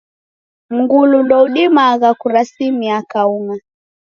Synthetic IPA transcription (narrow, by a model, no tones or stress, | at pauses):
m̩ɡulundɔuɗimaɣakuɾasimiakauŋa